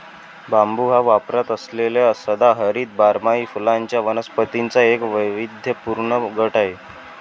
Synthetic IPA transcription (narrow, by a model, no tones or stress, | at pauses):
bambuɦaʋapɾat̪əslelesəd̪aɦəɾiːt̪̚baɾmaiːfulaɲt͡ɕjaʋənəspət̪int͡saekʋəjʋid̪ʱjəpuɾɳəɡʱəʈaɦe